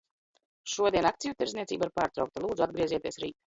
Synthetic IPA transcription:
ʃuɔd̪iɛnak̚t̪sijut̪iɾzniɛt̪siːbaiɾpaːɾt̪ɾa̰wkt̪alˠuːd̪zuad̪ɡɾiɛziɛt̪iɛsɾiːt̪

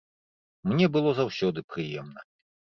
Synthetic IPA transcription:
mnʲɛbɨlˠɔzawsʲɔd̪ɨpɾɨjɛmnɐ

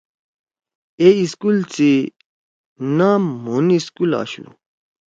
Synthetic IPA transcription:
eiskult͡si | namuniskula̰ɕṵ

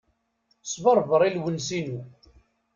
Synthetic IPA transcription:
svəɾˤvəɾˤilwənsinu

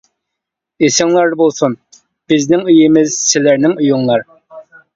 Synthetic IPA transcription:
esɪŋlˠɑɾd̪bolˠsun | b̥ɪznɪŋyjɪmɪz̥sɪlæɾnɪŋujuŋlˠɑɾ

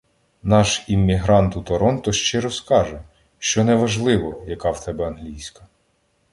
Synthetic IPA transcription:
nɑʃimʲːiɦɾɑnt̪ut̪ɔɾɔnt̪ɔʃt͡ʃɪɾɔskɑʒɛ | ʃt͡ʃɔnɛʋɐʒlˠɪʋɔjɐkɑwt̪ɛbɛɐnɦlʲijsʲkɐ

